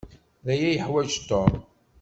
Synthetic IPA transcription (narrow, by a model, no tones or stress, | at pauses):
ðæjæjəħwæd͡ʒt̪ːom